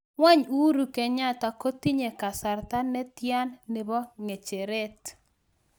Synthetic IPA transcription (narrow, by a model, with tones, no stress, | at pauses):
ŋwa˦ɲu˦ɾu˨kɛ˨ɲa˦ta˨ko˦ti˦ɲe˨ka˨sa˨ɾt̪a˦nɛ˦tja˦nːɪ˨bɔ˦ŋe˨t͡ʃe˨ɾe˦t